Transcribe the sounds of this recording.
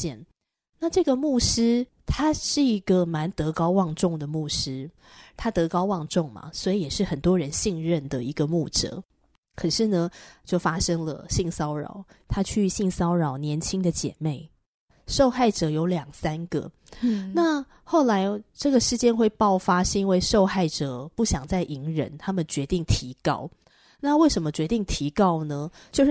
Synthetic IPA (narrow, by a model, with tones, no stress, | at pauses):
ɛ˥˨n | na˥˧ʈ͡ʂɤ˥˩ɡə˩mu˥˩ʂɻ̩˥ | t̪ʰa˥ʂɻ̩˥˩i˧˥ɡə˨ma˧˦nt̪ɤ˧˥kɑ˥ʊwɑ˥˧ŋʈ͡ʂʊ˥˩ŋd̪ə˩mu˥˩ʂɻ̩˥ | t̪ʰa˥t̪ɤ˧˥kɑ˥ʊwɑ˥˧ŋʈ͡ʂʊ˥˩ŋma̰˩swɔ˧˥i˨jɛ˨˩ʂɻ̩˥˩xə˨˩nt̪wɔ˥ɻə˧˦nɕi˥˧ŋɻə˥˩nd̪ə˩i˧˥ɡə˧mu˥˩ʈ͡ʂɤ̰˧˦ | kʰə˨˩ʂɻ̩˥˩nə˩t͡ɕjo˥˩ʊfa˥ʂɤ˥ŋlə̰˨ɕi˥˨ŋsɑ˥ʊɻɑ̰˨˩˦ʊt̪ʰa˥t͡ɕʰy˥˧˩ɕi˥˩ŋsɑ˥ʊɻɑ˨˩ʊnjɛ˧˦nt͡ɕʰi˥ŋd̪ə˨t͡ɕjɛ̰˨˩me˥˩ɪ | ʂo˥˧ʊxa˥˩ɪʈ͡ʂɤ˨˩jo˧˥ʊljɑ˨˩ŋsa˥nɡə̰˩ | na˥˧ | xo˥˩ʊla˧˥ɪʈ͡ʂɤ˥˩ɡə˩ʂɻ̩˥˧t͡ɕjɛ˥nxwe˥˧ɪpɑ˥˩ʊfa˥ʂɻ̩˥˩i˥nwe˥˧ɪʂo˥˧ʊxa˥˩ɪʈ͡ʂɤ˨˩˦pu˥˩ɕjɑ˨˩ŋt͡sa˥˩ɪʔi˧˥ŋɻə̰˧˦˥nt̪ʰa˥mə˨nt͡ɕɥɛ˧˥t̪i˥˩ŋt̪ʰi˧˥kɑ̰˥ʊ | na˥˧we˥˩ɪʂə˧˥nmə˧t͡ɕɥɛ˧˥t̪i˥˩ŋt̪ʰi˧˥kɑ˥ʊnə˨t͡ɕjo˥˧ʊʂ